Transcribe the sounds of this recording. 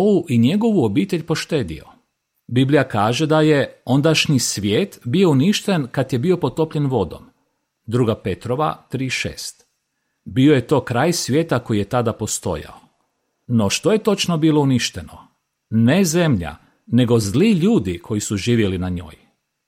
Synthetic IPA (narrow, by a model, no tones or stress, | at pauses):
oʋuʔiɲe̞ɡo̞ʋuobiːt̪e̞ʎʲpo̞ʃt̪e̞ːd̪ḭo̰ | biblijakaːʒe̞d̪ajeo̞nd̪aʃɲisʋʲjeːt̪bio̞uniʃt̪enkat̪je̞bio̞po̞d̪̚t̪o̞pʎenʋo̞d̪o̞̰m | d̪ɾuːɡape̞t̪ɾo̞ʋa̰t̪ɾiːʃḛːst̪ | bio̞je̞t̪o̞ːkɾaːjsʋjeːt̪ako̞jije̞t̪ad̪apo̞st̪o̞̰ja̰o | no̞ʃt̪o̞je̞t̪o̞t͡ʃno̞biːlo̞uniʃt̪e̞no | ne̞ze̞mʎa̰ | ne̞ɡo̞zliʎuːd̪ikʰo̞jisuʒiːʋjelinaɲo̞̰ːj